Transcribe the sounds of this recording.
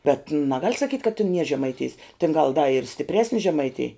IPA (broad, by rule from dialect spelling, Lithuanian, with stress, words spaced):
ˈbʲɛt nɐˈɡɐlʲ sɐˈkʲiːtʲ kɐt tʲɪn nʲiɛ ʒʲɛmɐɪˈtʲɪjs tʲɪn ɡɐlˠ dɐ ɪr sʲtʲɪpʲˈrʲæːsʲnʲɪ ʒʲɛmɐɪˈtʲeːj